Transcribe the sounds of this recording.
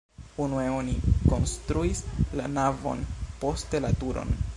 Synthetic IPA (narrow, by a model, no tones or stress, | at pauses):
unue̞o̞niko̞nstɾuisla̰navo̞̰npo̞ste̞latuɾo̰n